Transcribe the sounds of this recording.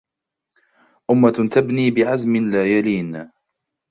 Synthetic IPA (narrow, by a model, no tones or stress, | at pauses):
ʔʊmːat̪abniːbɪʕazmɪnlaːjaliːn